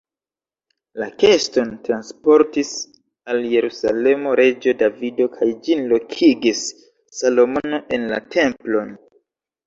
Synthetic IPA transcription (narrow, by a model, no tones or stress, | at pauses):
lake̞sto̞ntɾanspo̞ɾtis | alje̞ɾusa̰le̞mo̞ɾʔe̞d͡ʒo̞davido̞kʰajd͡ʒinlo̞kʰiɡisː | alo̞mo̞no̞ʔe̞nla̰tʰe̞mplo̞n